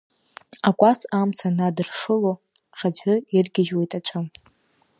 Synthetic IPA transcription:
akʷʼasamt͡sʰanadɨrʂɨlo | ʈ͡ʂʰad͡ʑʷɨirɡʲɪʒwe̞jtʼat͡ɕʷʰam

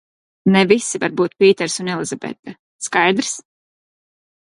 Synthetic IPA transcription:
nɛvisːivaɾbuːt̪̚pʲiːt̪ɛɾsunɛlˠizabɛ̰t̪ːa | skajd̪ɾs

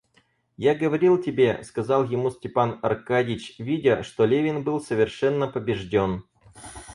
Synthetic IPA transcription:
jaɡəvɐɾʲilˠtʲɪbʲeskɐzɑlˠjɪmusʲtʲɪpanɐ̰rkadʲɪt͡ɕvʲidʲəʂt̪o̞lʲevʲɪnbɨlˠsəvʲɪrʂɛnːəpəbʲɪʐdʲo̞n

